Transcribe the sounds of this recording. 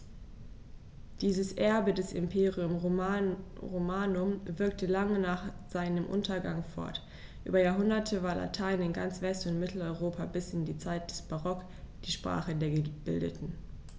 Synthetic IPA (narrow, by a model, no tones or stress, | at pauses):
d̥iːzəsʔɛɐbədɛsɪ̰mpʰeːʁiʊm | ʁomaːnʊmvɪɐk̚təlaŋənaːχz̥aɪnəmʔʊ̰ntʰɐɡaŋfɔ̰ɐt | ʔy̰ːbɐjaːɐɦʊndɐtʰəvaːɐlʔa̰tʰaɪnɪnɡa̰nt͡sv̥ɛstʊntmɪtʰl̩ɔʏʁoːpʰabɪsɪndiːt͡saɪt̚d̥ɛsb̥aʁɔk | d̥iːʃpʁ̥a̰ːχədeːɐɡəb̥ɪ̰ldə̰tn̩